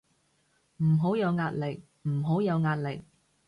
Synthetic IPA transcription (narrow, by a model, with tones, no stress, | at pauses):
m̩˨˩ɦo˨˥wjɐ˨˧wŋaː˧t̚lɪ˨k̚ | m̩˨˩ɦo˨˥wjɐ˨˧wŋaː˧t̚lɪ˨k̚